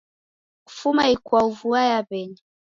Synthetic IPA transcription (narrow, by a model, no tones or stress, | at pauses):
u̥fumaikwauvuajaβɛɲi